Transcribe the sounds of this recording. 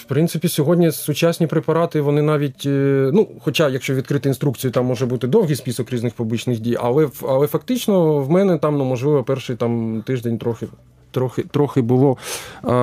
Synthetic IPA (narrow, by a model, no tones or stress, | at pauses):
wpɾɪntsɪpʲisʲɔɦɔdʲnʲisʊt͡ʃasʲnʲipɾepɐɾɑt̪ɪʋɔnɪnɑʋʲitʲnuxɔt͡ʃɑjɐkʃt͡ʃɔʋʲid̪̚kɾɪt̪ɪinst̪ɾukt͡sʲijʊt̪ɑmːɔʒɛbut̪ɪd̪ɔwɦijspʲisɔkɾʲiznɪxpublʲˠit͡ʃnɪxdʲijɐ̰lˠɛɐlˠɛfɐkt̪ɪt͡ʃnɔwmɛnɛt̪ɑmnumɔʒlˠɪʋɔpɛrʃɪjt̪ɑmt̪ɪʒd̪enʲt̪ɾɔxɪ | t̪ɾɔxɪt̪ɾɔxɪbʊlˠɔ